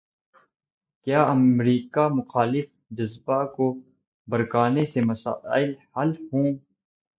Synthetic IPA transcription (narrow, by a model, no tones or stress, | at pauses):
kjaːɐmɾiːkamʊxaːlɪf | d͡ʒɪzbako | bəɾkaːnesemɐsa̰ːɪlhalhũː